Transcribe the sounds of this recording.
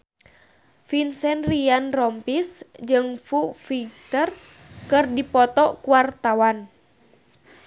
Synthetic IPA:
finsɛnrianrɔmpisd͡ʒɨŋfufik̚t̪ər | kɨrdipɔt̪ɔkuart̪awan

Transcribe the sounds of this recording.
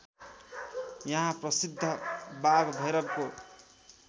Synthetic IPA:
jʌɦãprʌsid̪ʱːʌbaɡbʱʌjɾʌɾko

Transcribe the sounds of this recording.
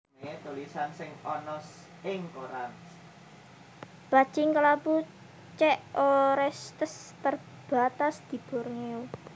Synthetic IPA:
et̪ulisansɪŋɔnɔs | ɪŋkoɾan | b̥a̤̥t͡ʃɪŋkəlapu | t͡ʃɛʔoɾɛst̪əst̪ər | b̥a̤t̪asd̪̥i̤b̥o̤rŋeu

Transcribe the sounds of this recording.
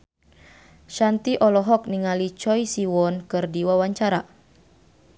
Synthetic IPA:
ʃant̪iʔɔlɔɦɔk̚niŋalit͡ʃɔjsiwɔnkɨrdiwawaɲt͡ʃaɾa

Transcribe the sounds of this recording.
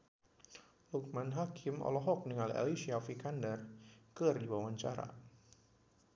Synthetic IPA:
luk̚manɦakʰɪmʔɔ̰lɔɦɔk̚niŋala̰lisiafikandɛrkərdiwawaɲt͡ʃa̰ɾa̰

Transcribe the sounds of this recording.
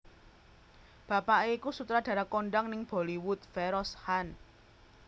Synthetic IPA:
b̥a̤paʔeikusut̪ɾad̥ä̤ɾakoɳɖaŋnɪŋb̥o̤liwʊt̪̚fɛɾɔshan

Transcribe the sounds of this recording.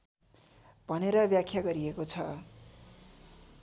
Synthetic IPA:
bʱʌneɾʌbjakʰjaɡʌɾiekot͡sʰʌ

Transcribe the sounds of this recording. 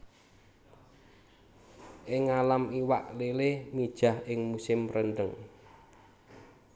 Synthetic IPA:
ʔɪŋalamiwa̰ʔlelemid̥ʒ̥a̤hɪŋmusɪmrənɖəŋ

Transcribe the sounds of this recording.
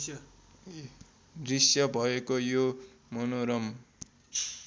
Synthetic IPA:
drisjʌbʱʌekojo | mʌnoɾʌm

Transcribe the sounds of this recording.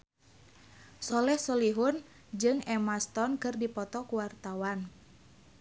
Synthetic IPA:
sɔlɛhsɔliɦʊn | d͡ʒɨŋɛmast̪ɔnkɨrdipɔt̪ɔkuwart̪awan

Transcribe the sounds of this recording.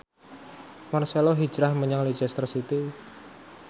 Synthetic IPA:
marseloɦi̥d͡ʒɾahməɲaŋli̥d͡ʒɛst̪ərsit̪i

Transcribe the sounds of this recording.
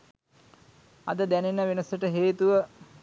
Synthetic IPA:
ɐ̰d̪əd̪ænenəʋenəsəʈəɦeːt̪uʋə

